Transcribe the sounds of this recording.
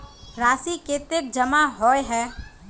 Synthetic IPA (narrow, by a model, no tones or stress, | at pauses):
ɾaːsiket̪ek̚d͡ʒəmaɦɔːjɦɛː